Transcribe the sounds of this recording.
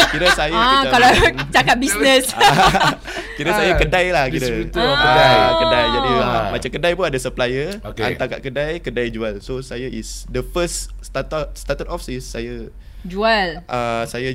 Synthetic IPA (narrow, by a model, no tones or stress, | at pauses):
kiɾəsajəakalat͡ʃakat̪̚bisnəs | kiɾəsajakədajlahkiɾət̪əakədajd͡ʒadimat͡ʃamkədajpunadasəplajəoa̰nt̪akaʔ̪̚kədajkədajd͡ʒualsosajaʔisdəfəsst̪at̪ɔtst̪at̪ət̪ɔfsisːajə | d͡ʒualʔasaja